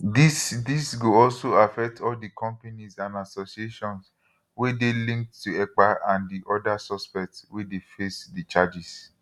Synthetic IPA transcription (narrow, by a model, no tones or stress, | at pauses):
disdisɡoɔlsoafɛk̚tʰɔldikʰɔ̃mpanisãndasosieʃɔ̃ns | wedelĩŋk̚ttuɛk͡paʔãndiʔɔdasɔspɛk̚tswedefesdit͡ʃad͡ʒis